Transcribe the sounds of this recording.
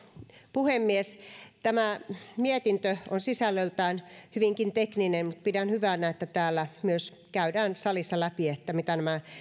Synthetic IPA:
puhemːiest̪æmæmiet̪int̪øonsisælːølt̪æːnhyʋiŋkint̪ekninenmut̪̚pidænhyʋænæet̪ːæt̪æːlːæmyøs | kæydæːnsɑlisːɑlæpiet̪ːæmit̪ænæmæ

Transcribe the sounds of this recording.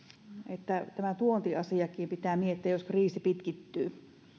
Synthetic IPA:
et̪ːæt̪æmæt̪uont̪iɑsiɑkˑiːmpit̪æːmiet̪ːiæjoskriːsipit̪kit̪ːyː

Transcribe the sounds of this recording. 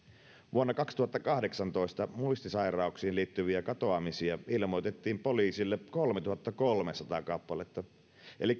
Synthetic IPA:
ʋuonːɑkɑkst̪uhɑt̪ːɑkɑhde̞ksɑnt̪o̞ist̪ɑmuist̪isɑjrɑuksiːnliːt̪ːyʋiækɑt̪oɑmisiɑilmo̞jt̪et̪ːiːmpoliːsilːekolmet̪uhɑt̪ːɑkolmesɑt̪ɑ̰ːkɑpːɑlet̪ːɑ | ʔelikː

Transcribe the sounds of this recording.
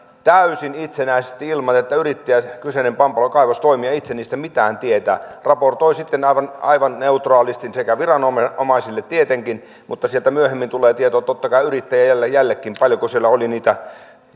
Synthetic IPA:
t̪æysinit̪senæˑisest̪iilmɑt̪et̪ːæyrit̪ːijækysenempɑmpɑlokɑiʋɑst̪oimiɑit̪seniːst̪æmit̪æːnt̪iet̪æ̰ːrɑport̪oisit̪ːenɑʋɑnɑ̰iʋɑnneut̪rɑːlist̪insekæʋirɑnomomɑisilːet̪t̪iet̪eŋkin | mut̪ːɑsielt̪æmyøhemːint̪uleːt̪iet̪oːt̪ot̪ːɑkɑˑiyrit̪ːæjæjælːæjjælːekːimpɑljokusielːæoliniːt̪æ

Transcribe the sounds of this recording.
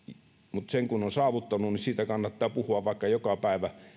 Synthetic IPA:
mut̪seŋkunonsɑːʋut̪ːɑnunisiːt̪ækɑnːɑt̪ːɑːpuhuɑʋʋɑˑekːɑjokɑpæˑeʋæ

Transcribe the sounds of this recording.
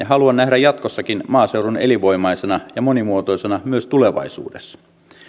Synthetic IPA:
jɑɦɑluɑnːæɦdæjɑt̪ko̞sːɑkinmɑːse̞wɾune̞̰liʋo̞jmɑjsenɑjɑmo̞nimuot̪o̞jsenɑmyøst̪ule̞ʋɑ̰isṵːdesːɑ̥

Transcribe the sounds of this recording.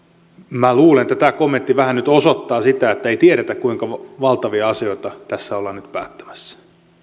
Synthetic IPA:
mæluːlenet̪ːæt̪ækomːent̪ːiʋæhænnyt̪osot̪ːɑːsit̪æet̪ːæeit̪ieɾet̪ækkuiŋkɑʋʋɑlt̪ɑʋiɑɑsioit̪ɑt̪æsːæolːɑnnyt̪pæ̰ːt̪ːæ̥mæ̥sːæ̥

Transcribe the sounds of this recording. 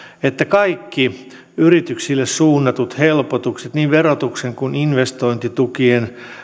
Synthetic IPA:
et̪ːækɑikːi | yrit̪yksilːessuːnːɑt̪ut̪helpot̪ukset̪niːʋʋerot̪ukseŋkuninʋest̪oint̪it̪ukien

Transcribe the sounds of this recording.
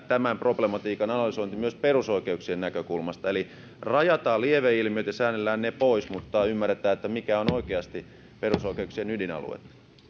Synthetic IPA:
t̪æmæmproblemɑt̪iːkɑnɑnɑlysoint̪imyøsperusoikeuksiennækøkulmɑst̪ɑeli | rɑjɑt̪ɑːlieʋeilmiøt̪jɑsæːnːelːæːnnepoismut̪ːɑymːærːet̪æːet̪ːæmikæonoikeɑst̪i | perusoikeuksienydinɑ̰lṵḛt̪ː

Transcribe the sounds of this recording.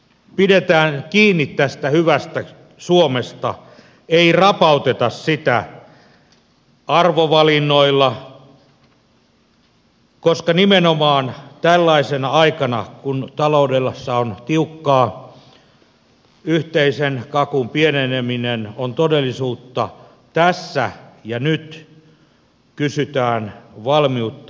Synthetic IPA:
pidet̪æːnkiːnːit̪t̪æst̪æhyʋæst̪æ | suomest̪ɑ̰ | eirɑpɑut̪et̪ɑssit̪æ̰ | ɑrʋoʋɑlinːoilːɑ | koskɑnimenomɑːnt̪ælːɑisenɑɑikɑnɑ̰kunt̪ɑloudelːɑsːɑont̪iukːɑː | yht̪eisenkɑkumpieneneminenont̪odelːˑisuːt̪ːɑ | t̪æsːæ̰jɑnyt̪ | kysyt̪æːnʋɑlmiut̪ː

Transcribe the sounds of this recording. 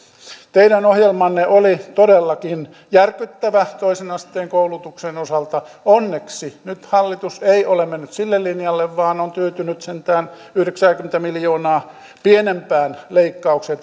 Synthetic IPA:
t̪eidænohjelmɑnːeʔolit̪odelːɑkin | jærkyt̪ːæʋæt̪oisenɑst̪eːŋkoulut̪uksenosɑlt̪ɑ | onːeksinyt̪hɑlːit̪useiolemenːyt̪silːellinjɑlːeʋʋɑːnont̪yøt̪ynyt̪sent̪æːn | yhɾeksæːkyment̪æmiljoːnɑː | pienempæːnleikːɑukset̪

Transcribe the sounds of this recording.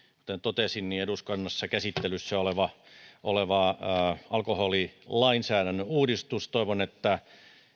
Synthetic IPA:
kut̪ent̪ot̪esinnieduskɑnːɑsːɑkæsit̪ːelyssæoleʋɑ | ʔoleʋɑ | ɑlkoholilɑinsæːɾænːøuːdist̪ust̪oiʋonet̪ːæ

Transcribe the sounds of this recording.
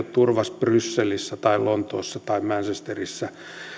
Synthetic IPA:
tt̪urʋɑsprysːelisːæt̪ɑilont̪oːsːɑt̪ɑimmænsest̪erisːæ

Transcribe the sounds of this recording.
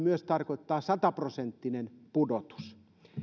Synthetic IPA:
myøst̪ɑrkoit̪ːɑːsɑt̪ɑprosent̪ːinenpudot̪u̥s

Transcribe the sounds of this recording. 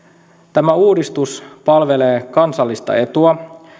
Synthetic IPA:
t̪æmæuːdist̪uspɑlʋe̞le̞ːkɑnsɑlːist̪ɑ̰e̞t̪uɑ

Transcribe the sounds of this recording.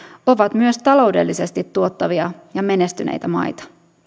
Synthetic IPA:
o̞ʋɑt̪myøst̪ɑlo̞wde̞̰lːise̞st̪it̪ːuot̪ːɑʋiɑjɑme̞ne̞st̪ynʔḛjt̪æmɑ̰jt̪ɑ̥

